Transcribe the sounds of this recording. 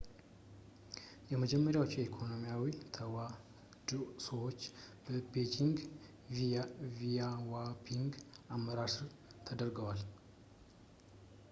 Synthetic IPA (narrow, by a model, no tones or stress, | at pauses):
jɛməd͡ʒɛmːəɾjawot͡ʃːjɛikʰo̞no̞mijawit̪ʰəwa | d̪səwo̞t͡ʃːb̥əbed͡ʒiŋɡ | vijawapʰiŋɡamːəɾaɾsɨɾ | t̪ʰəd̪əɾɡəwal